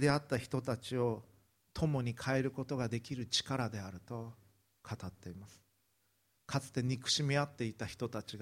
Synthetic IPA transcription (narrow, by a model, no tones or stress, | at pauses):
d̪e̞at̪ːaçi̥t̪o̞t̪at͡ɕio̞ | t̪ʰo̞mo̞ɲ̟ikʰae̞ɾɯ̟ko̞t̪o̞ɡad̪e̞kʲiɾɯ̟t͡ɕi̥kaɾad̪e̞aɾɯ̟t̪o̞ | kʰat̪at̪ːe̞imasɨ̥ | kʰat͡sɨ̥t̪e̞ɲ̟ikɯ̟̥ɕimʲiat̪ːe̞it̪açi̥t̪o̞t̪at͡ɕiɡ